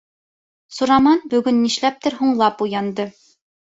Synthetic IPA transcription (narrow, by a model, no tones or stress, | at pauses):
suɾɑmɑnbɵ̆ɡɵnːiʃlæp̚t̪ɘ̆ɾɦuɴlˠɑpujɑnd̪ɤ